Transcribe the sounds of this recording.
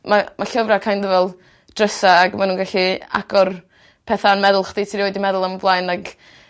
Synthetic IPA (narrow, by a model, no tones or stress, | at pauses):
mamaɬəvrakʰajndəvɛlˠ | d̥rəsaːɡmanuːnɡaɬia̰ɡɔr | pʰɛθanmɛðʊlˠχd̥itʰiɾioɨdimɛðʊlˠaməblˠajnaɡ